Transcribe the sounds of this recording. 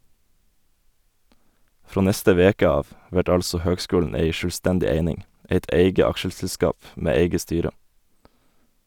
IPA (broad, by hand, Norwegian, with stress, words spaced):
ˈfɾoː ˈnɛstə ˈʋeːkə ˈɑːʋ ˈʋæʈ ˈɑlsɔ ˈhøːɡˌskʉːln̩ ˈæɪ ˈʃøːˌstɛndɪ ˈeɪnɪŋ ˈeɪt ˈeɪɡə ˈɑkʃəsl̩ˌskɑːp ˈmeː ˈeɪɡə ˈstyːɾə